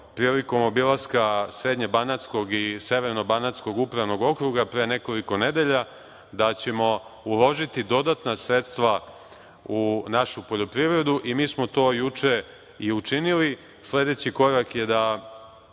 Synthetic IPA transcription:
pɾiːliko̞mo̞bilaskasɾe̞ːd̪ɲebanat̪sko̞ɡise̞ʋeɾno̞banat̪sko̞ɡupɾaʋno̞ɡo̞kɾuɡapɾe̞ːne̞ko̞liko̞ne̞d̪e̞ʎa | d̪at͡ɕe̞mo̞ulˠo̞ʒit̪id̪o̞d̪at̪nasɾe̞t̪st̪ʋa | unaʃupo̞ʎo̞pɾiʋɾe̞d̪uʔimiːsmo̞t̪o̞ːjut͡ʂe̞ | iut͡ʂinili | sle̞d̪e̞t͡ɕiko̞ɾakjed̪a

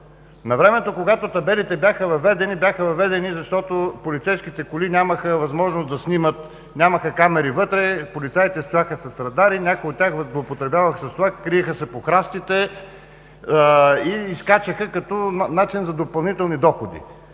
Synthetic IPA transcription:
nɐvɾɛmɛt̪okoɡat̪ot̪ɐbɛlit̪ɛbjaxəvɐvɛd̪ɛnibʲjaxəvɐvɛd̪ɛnizɐʃt̪ɔt̪opolit̪sɛjskit̪ɛkʊlinʲaməxəvɐzmɔʒnosd̪ɐsnʲimət̪ | nʲaməxəkamɛɾivɤt̪ɾɛpolit̪sajit̪ɛst̪ojaxəsɐsɾɐd̪aɾinʲakʊjot̪̚ːʲaxvzlˠopot̪ɾɛbʲjavəxsɐst̪ovaxkɾiɛxəsɛpoxɾast̪it̪ɛ | iːskat͡ʃəxəkɐt̪ɔnat͡ʃinzɐd̪opɐlˠnit̪ɛlˠnid̪ɔxod̪ḭ

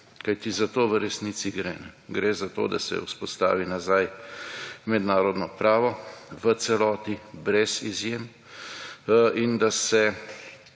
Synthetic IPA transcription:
kajt̪izat̪oːʋəɾɛsnit̪siɡɾɛnɛɡɾezat̪o̰d̪asɛ̰uspɔst̪a̰ːʋinazaj | mɛd̪naːɾɔd̪nɔpɾaːʋɔʋət̪sɛlɔːt̪ibɾɛszizjem | ind̪asɛ

